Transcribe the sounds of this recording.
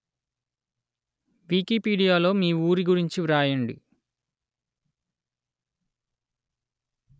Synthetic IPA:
ʋiːkiːpiːɽijaːlo̞ːmiːuːɾiɡuɾiɲt͡ʃiɾaːjɐɳɖḭ

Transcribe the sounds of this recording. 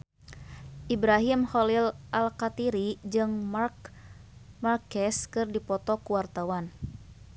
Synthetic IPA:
ʔibɾaɦimhɔlilʔalkat̪iɾid͡ʒɨŋr | markɛskɨrdipɔt̪ɔkuwart̪awan

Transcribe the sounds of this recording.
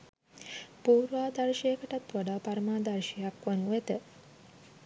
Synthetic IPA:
puːɾʋaːd̪aɾʃejekəʈat̪ʋaɖaːpaɾəmaːd̪aɾʃijakʋanuet̪ə

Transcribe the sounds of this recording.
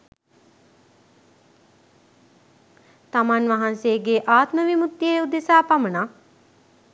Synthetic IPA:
t̪amanʋaɦanseːɡeʔaːt̪məʋimut̪jeud̪esaːpaməna

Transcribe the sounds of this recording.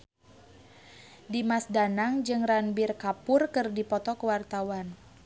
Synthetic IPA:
dimasdanaŋd͡ʒɨŋranbirkapʊrkɨrdipɔt̪ɔkəwart̪awan

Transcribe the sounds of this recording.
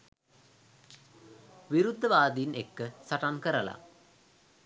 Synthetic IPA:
ʋiɾud̪ʱːɐʋaːd̪ijnekːɨsɐʈankɐɾɐla̰

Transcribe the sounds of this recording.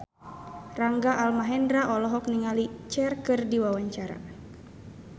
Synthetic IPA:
raŋɡaʔalmaɦɛndɾaʔɔlɔɦɔk̚niŋalit͡ʃɛrkɨrdiwawaɲt͡ʃaɾa̰

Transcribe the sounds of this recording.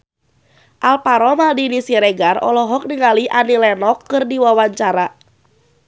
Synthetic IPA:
ʔalpaɾɔmaldinisiɾɛɡarɔ̰lɔɦɔk̚niŋaliʔanilɛnɔkːɨrdiwawaɲt͡ʃaɾa

